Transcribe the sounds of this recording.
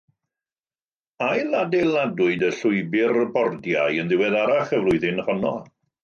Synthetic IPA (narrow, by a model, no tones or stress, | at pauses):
ajladɛlˠadʊɨdəɬʊɨbɪrəbɔrdja̰jənðɪwɛðaɾaχəvlʊɨðɪnhɔnɔ